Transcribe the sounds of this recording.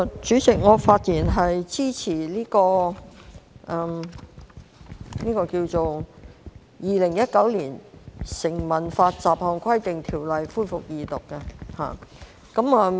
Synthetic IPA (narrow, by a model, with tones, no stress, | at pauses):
t͡ʃyː˨˥t͡sɪ˨k̚ŋɔː˨˧faː˧t̚jiː˨˩nɦɐ˨jt͡siː˥t͡sʰiː˨˩liː˥kɔː˧ | ʔɛ˧m | niː˥kɔː˧kiː˧wt͡so˨w | jiː˨lɪ˨˩ŋjɐ˥t̚kɐ˨˥wliː˨˩nsɪ˨˩ŋmɐ˨˩nfaː˧t̚t͡saː˨˩p̚hɔː˨˩ŋkʰʷɐ˥jt̪ɪ˨ŋt̪ʰiː˨˩wlɐ˨jfuː˥jfʊ˨k̚jiː˨t̪ʊ˨kːɛ˧ha̰ː˨ | kɐ˨˧˥ma˧